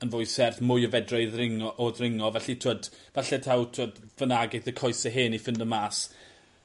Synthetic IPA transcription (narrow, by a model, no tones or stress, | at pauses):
ənvʊjsɛrθmʊjəvɛdraɨðrɪŋɔʔoðrɪŋɔvɛɬitʰoːdvaɬɛtʰawtʰoːdvənaɡɪθəkʰɔɨsɛɦeːnifɪndəmaːs